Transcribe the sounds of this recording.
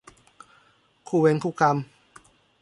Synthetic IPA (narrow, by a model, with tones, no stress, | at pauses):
kʰuː˧˩we˧nkʰuː˧˩ka˧m